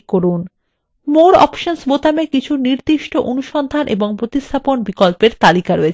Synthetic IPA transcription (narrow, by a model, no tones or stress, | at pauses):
koɾun | moɾɔ̰pʃonsbot̪amekit͡ɕʰuniɾd̪iʃʈoʔonuʃɔnd̪ʱanʔḛboŋpɾot̪ist̪ʰaponbikolpeɾt̪alikaɾoet͡ɕʰ